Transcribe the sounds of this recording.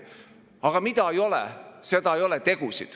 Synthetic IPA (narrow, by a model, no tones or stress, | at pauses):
ɑɡ̥ɑmid̪ɑejo̞lɛ̰se̞d̪ɑejo̞let̪e̞ɡ̥usid̪̥